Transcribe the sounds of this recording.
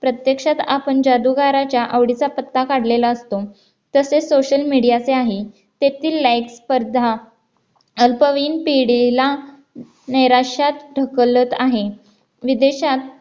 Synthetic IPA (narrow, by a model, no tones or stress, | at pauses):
pɾət̪jəkʂat̪apəɳd͡ʑad̪uɡaɾat͡ɕjaʔəʋɽit͡sapət̪ːakaɽ̤lelaəst̪o | t̪əsesoɕəlmiɽijat͡seaɦe | t̪et̪iːlːajkspəɾd̪ʱa | əlpəʋiːnpiɽila | nəjɾaʂat̪ɖʱəklət̪aɦe | ʋid̪eɕat̪̚